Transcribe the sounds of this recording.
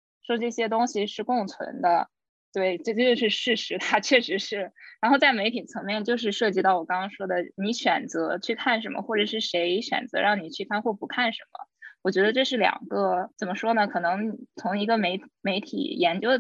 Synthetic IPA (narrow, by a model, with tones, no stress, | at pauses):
ʂwɔ˥ʈ͡ʂɤ˥˩ɕjɛ˥t̪ʊ˥ŋɕi˨ʂɻ̩˥˧kʊ˥˩ŋt͡sʰwə̰˧˥nd̪ə˧ | t̪we˥˩ɪʈ͡ʂɤ˥˧t͡ɕt͡ɕjo˥˧ʊʂɻ̩˥˧ʂɻ̩˥˩ʂɻ̩˧˥t̪ʰa˥t͡ɕʰɥɛ˥˩ʂɻ̩˧˥ʂɻ̩˥˩ɻa˧˥nxo˥˧ʊt͡sa˥˩ɪme˧˥ɪt̪ʰi˨˩t͡sʰɤ˧˥ŋmjɛ˥˧nt͡ɕjo˥˧ʊʂ̬ɻ̩˥˧ʂɤ˥˩t͡ɕi˥t̪ɑ˥˩ʊwɔ˨˩kɑ˥ŋkɑ˥ŋʂwɔ˥d̪ə˨ni˧˥ɕɥɛ˨˩nt͡sɤ˧˥t͡ɕʰy˥˧kʰa˥˩nʂ̬ə˧˥nmə̰˧xwɔ˥˩ʈ͡ʂɤ˨˩ʂɻ̩˥˩ʂe˧˥ɪɕɥɛ̰˨˩nt͡sɤ̰˧˥ɻɑ˥˩ŋni˨˩t͡ɕʰy˥˩kʰa˥˧nxwɔ˥˩pu˧˥kʰa˥˩nʂə˧˥nmə̰˧wɔ˨˩t͡ɕɥɛ˧˥d̪ə˧ʈ͡ʂɤ˥˧ʂɻ̩˥˩ljɑ̰˨˩ŋɡə˧t͡sə˨˩mə˦ʂwɔ˥nə˨kʰɤ˨˩nɤ˧˥ŋni˨˩t͡sʰʊ˧˥ŋi˧˥ɡə˧me˧˥ɪme˧˥ɪt̪ʰḭ˨˩jɛ˧˥nt͡ɕjo˥ʊə˩